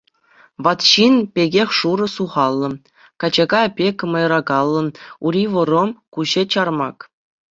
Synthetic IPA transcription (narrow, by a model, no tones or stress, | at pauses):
ʋɑt̪ɕinpʲeɡʲexʲʂuɾɤ̆suʁɑlˠːɤ̆ | kɑd͡ʑeɡɑpʲekʲmɤ̆jrɑɡɑlˠːɤ̆nuɾʲiʋɤ̆ɾŏmkuʑet͡ɕɑrmɑk